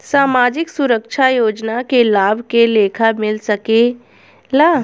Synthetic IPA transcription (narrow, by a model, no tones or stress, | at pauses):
saːmaːd͡ʒɪksʊɾəkʃʰajoːd͡ʒnakelaːbʱkeleːkʰamɪlsɐke | laː